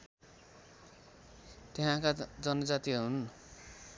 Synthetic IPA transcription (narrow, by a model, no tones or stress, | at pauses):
t̪eɦãkad͡zʌnʌd͡zat̪iɦun